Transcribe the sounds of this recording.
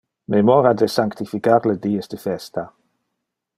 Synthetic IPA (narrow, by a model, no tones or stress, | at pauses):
memɔɾad̪əsaŋkt̪ifikaɾləd̪iːəsd̪əfɛst̪a